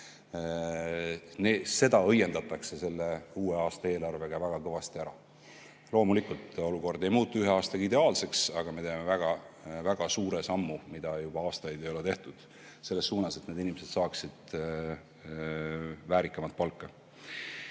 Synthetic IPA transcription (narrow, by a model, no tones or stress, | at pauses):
nese̞d̪ɑɤjːe̞nd̪ɑt̪ːˑɑkse̞se̞lːe̞uːe̞ɑːst̪ɑe̞ːlɑrve̞ɡ̥ɑvæɡ̥ɑkɤ̞vɑst̪iæɾɑ̰ | lo̞ːmulikult̪o̞luko̞rd̪e̞jmuːt̪ːˑuyɦeɑːst̪ɑɡid̪e̞ɑːlse̞ksɑɡ̥ɑme̞t̪eːme̞væɡ̥ɑvæɡ̥ɑsuːɾe̞sɑmːumid̪̥ɑjub̥ɑɑːst̪ɑjd̪e̞jo̞le̞t̪e̞ht̪ud̪̥ | se̞lːe̞sːuːnɑse̞t̪ne̞d̪inʲimese̞d̪̥sɑːksid̪̥ | væːɾikːˑɑmɑt̪̚pɑlkːɑ